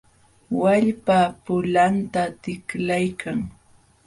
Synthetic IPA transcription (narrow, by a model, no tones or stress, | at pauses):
waʎpapʊlant̪at̪ɪklajkʰaŋ